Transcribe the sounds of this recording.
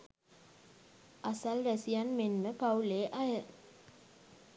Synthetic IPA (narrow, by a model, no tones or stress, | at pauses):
asalɾæsijanmenməpauleːʔajə